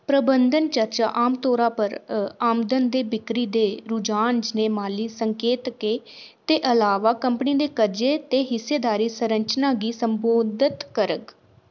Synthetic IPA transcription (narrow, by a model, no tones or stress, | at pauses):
pɾəbənd̪ənt͡ʃəɾt͡ʃa̰ːʔaːmt̪oːɾaːpəɾaːmd̪ənd̪eːbɪkɾiːd̪eːɾʊd͡ʒaːnd͡ʒneːmaːliːsəŋkeːt̪keːt̪eːʔəlaːʋaːkəmpniːd̪eːkəɾd͡ʒeːt̪eːɦɪsːeːd̪aːɾiːsəɾəɲt͡ʃnãːɡiːsəmboːd̪ɪt̪kəɾəɡ